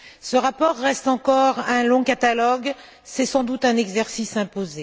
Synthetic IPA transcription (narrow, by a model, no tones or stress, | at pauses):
səʁapɔʁːɛst̪ɑ̃kɔʁɛ̃lɔ̃kat̪alɔɡ | sɛsɑ̃d̪ut̪ɛ̃nɛɡzɛʁsisɛ̃poze